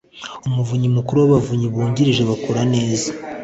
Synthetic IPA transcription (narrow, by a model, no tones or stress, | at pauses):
umuvuɲimukuɾuwaβavuɲiβuːɲɟiɾiʒe̞βakuɾane̞ːza